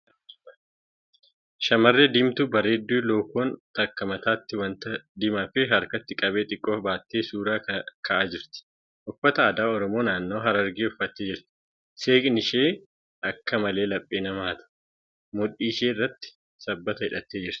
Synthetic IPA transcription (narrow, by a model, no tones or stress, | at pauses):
ʃɐmɐrːeːd̪ɪmt̪ʊbɐɾeːd̪ːuːloːkoːnt̪ɐkːɐmɐt̪aːt̪ːɪwɐnt̪ɐd̪ɪmɐfɛɦɐɾkɐt̪ːɪkʼɐbeːt̪ʼɪkʼːoːfbaːt̪ːeːsuːɾaːkʰɐʔaːd͡ʒɪɾt̪ɪ̥ | ʔʊfːɐt̪ɐːd̪aːɔɾɔmo̞ːnaːnːo̞ːɦɐɾɐɾɡiːʊfːɐt̪ːeːd͡ʒɪɾt̪ɪ̥ | se̞ːkʼnɪʃeː | ɐkːɐmɐleːlɐpʼːeːnɐmaːt̪ɐ̥ | mʊᶑiːʃeːrːɐt̪ːɪ̥ | sɐbːɐt̪ɐhɪᶑɐt̪ːeːd͡ʒɪɾt̪ɪ̥